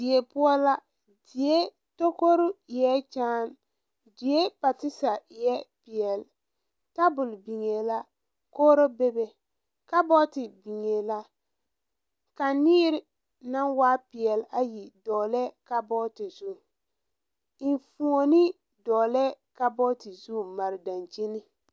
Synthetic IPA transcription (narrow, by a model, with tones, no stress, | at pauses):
dɪ˨e˨pʊ˦ɔ˦la˦ | di˨e˦ | to˦ko˦ɾʊ˦˨jɛ˦t͡ʃaː˦n | di˨e˦pa˨tɪ˦sa˨jɛ˦pɪ˨ɛ˨l | ta˦bʊ˨lbi˨ŋe˨la˦ | koː˦ɾo˦be˦be˨ | ka˦bɔ˦tɪ˨bi˨ŋe˨la˦ | ka˨nɪː˦ɾɪ˨ | na˦nwaː˦pɪ˨ɛ˨la˦ji˨dɔː˨lɛ˦ka˦bɔ˦tɪ˨z̥u˦˨ | ɪ˨nfu˨o˨nɪ˦ | dɔː˨lɛ˦ka˦bɔ˦tɪ˨zu˦ma˨ɾɪ˨da˨nt͡ʃi˦nɪ˦